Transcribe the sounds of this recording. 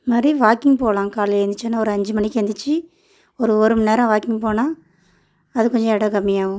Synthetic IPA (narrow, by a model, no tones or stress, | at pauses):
maːd̪ɾiʋaːkɪŋɡpoːlãːŋkaːlɐɛɾnd̪ɯt͡ʃːanːaːɔɾɯɐɲd͡ʒɯmɐɳɪkːend̪ɯt͡ʃːɯ | ɔɾɯɔɾɯmneːɾɐ̃ʋaːkɪŋɡpoːnaː | ɐðɯkɔɲd͡ʒɔ̃ɛɽɐɡɐmːɪjaːɣɯ̃